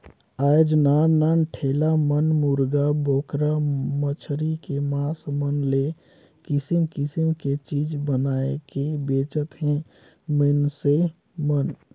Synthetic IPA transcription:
aːjd͡ʒnananʈʰeːlamənmuɾɡaboːkɾamət͡ʃʰɾikemaːsmənle | kɪsimkɪsimket͡ʃiːd͡ʒbənaːekebeːt͡ʃət̪ɦɛ̃ | mənse | mən

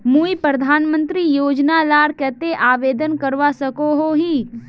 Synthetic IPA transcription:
muːipɾəd̪ʱaːnmə̃nt̪ɾijoːd͡ʒnalaːɾkɛt̪eʔaːʋeːd̪ənkəɾʋasɐkoɦoɦiː

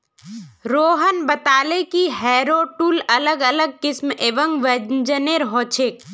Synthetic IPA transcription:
ɾoːɦənbət̪aːlekiɦɛːɾoːʈuːlɐləɡələɡ̚kɪsmeːʋəŋɡʋend͡ʒəneɾɦoːt͡ʃʰeːk̚

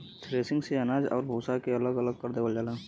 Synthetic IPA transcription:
tʰɾeːsɪ̃ŋɡseɐnaːd͡ʒɔ̰ːɾbʱoːsakeɐləɡələɡ̚kəɾd̪eːʋəld͡ʒaːlaː

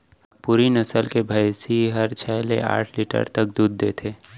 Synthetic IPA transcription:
puːɾinəsəlkebʱəjsiɦəɾt͡ʃʰɛːlḛa̰ːʈʰliʈə̰ɾt̪əkd̪uːd̪̚ːet̪ʰeː

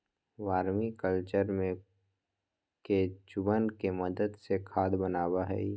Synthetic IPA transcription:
ʋaːɾmikəlt͡ʃəɾmẽ | ked͡ʒʊbənkeməd̪əd̪sekʰaːd̪bənaːwaɦɛ̰i

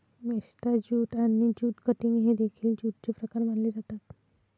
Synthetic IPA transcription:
mest̪ad͡ʑuːt̪anid͡ʑuːt̪kəʈ̪iniɦed̪ekʰiːld͡ʑuʈ̪̚t͡ɕepɾəkaɾm̤aɳled͡zat̪at̪

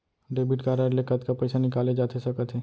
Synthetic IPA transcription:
ɖeːbɪʈkaːɾaɖlekət̪kapɛɪsanɪkaːled͡ʒaːt̪ʰesɐkət̪ʰɦeː

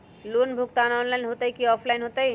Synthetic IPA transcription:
lunbʱukt̪anɔnlaɪnɦot̪əjkiɔpʰlaɪnɦot̪əj

